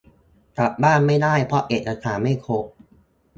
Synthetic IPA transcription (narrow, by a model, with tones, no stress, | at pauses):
t̪ɾa˨˩p̪̚baː˥˩nma˥˩jdaː˥˩jpʰɾɔ˦˥ʔeː˨˩t̪̚ʔa˧t̪ʰaː˩˦nma˥˩jkʰo˦˥k̚